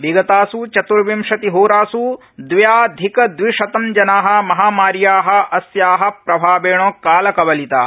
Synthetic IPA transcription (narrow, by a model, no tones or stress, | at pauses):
ʋiɡɐt̪aːsut͡ʃɐt̪uɾʋimʂɐt̪iɦoːɾaːsu | d̪ʋjaːd̪ʱikɐd̪ʋiʂɐt̪ɐmd͡ʒɐnaːɦɐ̆mɐɦaːmaːɾjaːɦɐ̆ʔɐsjaːɦɐ̆pɾɐbʱaːbeːɳ̃oːkaːlɐkɐʋɐlit̪aː